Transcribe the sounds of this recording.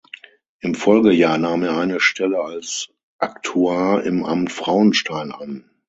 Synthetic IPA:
ʔɪmfɔlɡəjaːɐnaːmeːɐaɪnəʃtʰɛləals | ʔaktʰuaːɪmʔa̰mtfʁ̥aʊənʃtʰaɪna̰n

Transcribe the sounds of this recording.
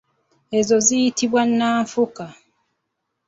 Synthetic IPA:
e̞zo̞zijitiβwanːaːɱfuka

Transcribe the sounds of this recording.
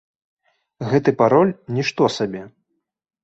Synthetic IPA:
ɣɛt̪ɨpaɾɔlʲnʲiʂt̪ɔsabʲɛ

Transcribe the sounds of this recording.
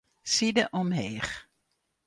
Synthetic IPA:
sidəʔɔmɦeːχ

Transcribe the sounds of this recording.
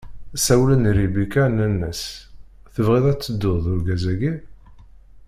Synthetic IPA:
sæwlənɾibikænənːəs | θəvʁeðˤæt͡sːəd̪ːʊðˤʊɾɡæzæɡi

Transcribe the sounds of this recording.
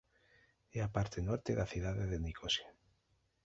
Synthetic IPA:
eapaɾt̪enoɾt̪eðaθjuðaðeðenikʰosja

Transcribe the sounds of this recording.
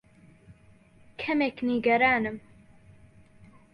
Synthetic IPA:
kʰɛmekniɡɐɾaːnɨm

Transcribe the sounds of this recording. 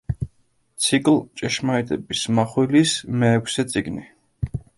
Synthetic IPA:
t̪sʰikʼlt͡ʃʼɛʃmaɛt̪ʼɛbismaχwilismɛːkʰsɛt̪sʼiɡni

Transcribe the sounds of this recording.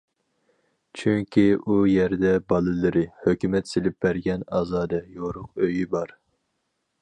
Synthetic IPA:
t͡ʃʰyŋkʲiʔujɛɾd̪ɛbɑlˠɨlˠɨɾɨhøkʲymɛt̪selɪp̚bæɾɡʲɛnɑːzɑːd̪ɛjoɾʊq̚øjibɑɾ

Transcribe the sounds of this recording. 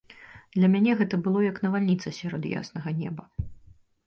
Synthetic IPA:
d̪lʲɐmʲanʲɛɣɛt̪ɐbɨlˠɔjɐknɐvalʲnʲit̪sɐsʲaɾɔt̪ja̰snɐɣɐnʲɛ̰bɐ

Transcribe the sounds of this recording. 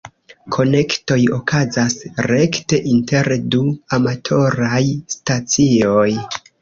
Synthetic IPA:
kʰo̞ne̞kto̞jo̞kʰazasɾe̞kte̞ʔinte̞ɾduamatʰo̞ɾajstat͡sio̞j

